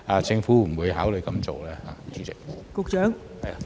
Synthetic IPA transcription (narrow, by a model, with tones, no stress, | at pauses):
aː˨˧t͡sɪ˧ŋfuː˨˥m̩˨˩wuː˨˧jɦaː˨˥wlɵ˨˧jkɐ˨˧˥mt͡so˨wlɛː˥ha̰ː˨˧t͡sy˧˨˥t͡sɪ˨k̚kʊ˨˧k̚t͡ʃœː˨˥ŋ | hɐ˨˩j